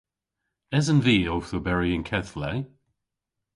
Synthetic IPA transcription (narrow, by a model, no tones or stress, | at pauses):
ɛzə̃nviːowθəbɛɹiə̃nkʰɛθlɛ